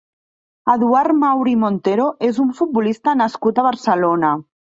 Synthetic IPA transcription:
əðuaɾmawɾimont̪eɾoezuɱfut̪̚bulist̪ənəskut̪əβ̞əɾsəlonə

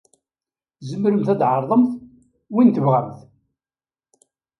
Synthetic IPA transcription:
zəmɾəmθæd̪ʕɑɾˤðˤəmθ | wint̪əvʁəmθ

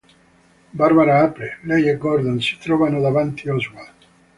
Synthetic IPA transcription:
baɾbaɾaapɾelɛjɛɡɔrd̪onsi̥t̪ɾɔːvanod̪avant̪ʰiazwat̪

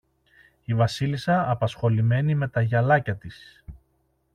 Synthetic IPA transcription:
ivɐsilisɐːpɐsxo̞lime̞nime̞t̪ɐʝɐlɐcɐt̪is

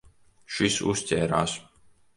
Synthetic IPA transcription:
ʃisṵstʲɛːɾaːs

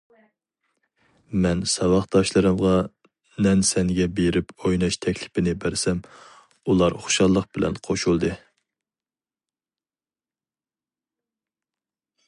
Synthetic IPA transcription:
mɛnsɑwɑχd̪̥ɑʃlˠɨɾɨmʁɑ | nɛnsɛŋɡʲɛbeɾɪpojnɑʃt̪ʰɛkʲlɪ̥pʰɪnɪbæɾsɛm | ulˠɑɾχo̥ʃɑlˠːəq̚b̥ɪlɛ̰nqʰoʃulˠd̪ɨ

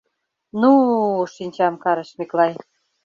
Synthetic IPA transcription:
nuʃinʲt͡ɕɑmkɑɾɤ̆ʃmiklɑj

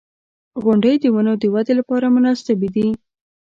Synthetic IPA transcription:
ɣʊɳɖəjd̪əwanod̪əwad̪elapɑɾamʊnɑsɪbd̪i

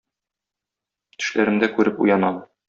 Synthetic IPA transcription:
t̪ɘ̥̆ʃlæɾɘ̆md̪ækʉɾɘpṵjɑnɑm

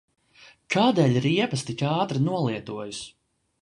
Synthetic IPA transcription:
kʰaːd̪ɛːlʲiɾiɛpɐst̪ikʲaːt̪ɾinuɔlˠiɛt̪uɔjus

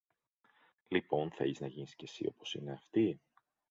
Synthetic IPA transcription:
lipo̞nθḛliznɐʝinisce̞sḭo̞̰po̞sine̞ɐft̪i

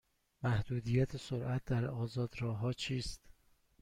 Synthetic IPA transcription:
mæhd̪uːd̪ijæt̪ʰesoɾʔæt̪̚d̪æɾɒːzɒːd̪ɾɒːɦɒːt͡ʃʰiːst̪

